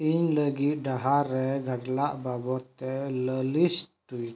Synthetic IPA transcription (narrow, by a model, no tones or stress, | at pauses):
iɲləɡiʔdaɦaɾɛɡadlaʔbabɔt̪ɛləlist̪ui